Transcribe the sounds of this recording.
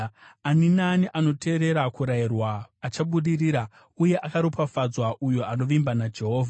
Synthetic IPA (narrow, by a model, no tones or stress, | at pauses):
aninaniʔano̞tʰe̞ːɾe̞ɾakuɾairwaːt͡ʃaɓuɗiriɾa | uje̞ʔakaɾopafad͡zwaʔujoano̞ʋimbanad͡ʒe̞ɦo̞ːvʱa